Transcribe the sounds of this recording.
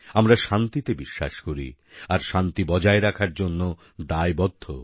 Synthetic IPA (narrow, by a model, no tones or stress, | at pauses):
amɾaʃant̪it̪ebiʃːa̰ʃkoɾḭ | aɾʃant̪ibɔd͡ʑaeɾakʰaɾd͡ʑonːo | d̪aebɔd̪ʱːo̰